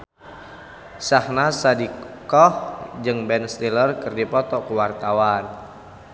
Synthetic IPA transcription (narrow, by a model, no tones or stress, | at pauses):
sahnasadikɔhd͡ʒɨŋbɛnsɾilərkɨrdipɔt̪ɔkuwart̪awan